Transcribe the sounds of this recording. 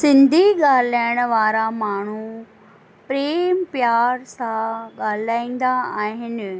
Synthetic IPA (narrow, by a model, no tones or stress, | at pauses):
sɪ̃nd̪ʱiɠaːl̤aːɪɽ̃əʋaːɾamaːɳ̤u | pɾeːmpjaːɾsãɠaːl̤aːĩːn̆d̪aaːɦɪn̆